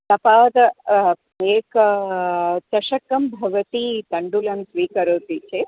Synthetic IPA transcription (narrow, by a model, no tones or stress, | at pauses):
t̪ɐpaːd̪ɐ | eːk | t̪ɐʃɐkɐmbʱɐʋɐt̪iːt̪ɐɳɖulɐmsʋiːkɐɾoːt̪it͡ʃʰe